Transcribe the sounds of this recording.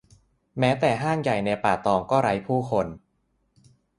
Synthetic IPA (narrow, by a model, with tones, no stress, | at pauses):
mɛː˦˥t̪ɛː˨˩ɦaː˥˩ŋja˨˩jna˧paː˨˩t̪ɔː˧ŋkɔː˥˩ɾa˦˥jpʰuː˥˩kʰo˧n